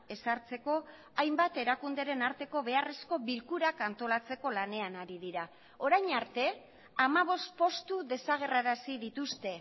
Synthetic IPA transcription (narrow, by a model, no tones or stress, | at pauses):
e̞saɾt͡se̞ko̞ | ajmbat̪e̞ɾakund̪e̞ɾe̞naɾt̪e̞ko̞βe̞are̞sko̞βilkuɾakant̪o̞lat͡se̞ko̞lane̞anaɾiðiɾa | o̞ɾajɲaɾt̪e̞ | amaβ̞o̞st̪̚po̞st̪uðe̞saɣ̞e̞raɾasiðit̪ust̪e̞